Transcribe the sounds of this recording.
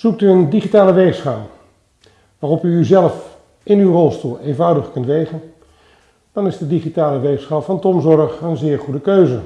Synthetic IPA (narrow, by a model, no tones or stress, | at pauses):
z̥uk̚tyəndiχitaːləʋejsχaːlˠ | ʋaːrɔpyːzɛləf | ʔɪnywrɔlˠstuːlˠeːnvʌwdəχkɵntʋejχən | d̥ɑnɪzdədiχitaːləʋeːsχalˠfɑntɔmzɔrəχənzɪːɹχudəkøɥzə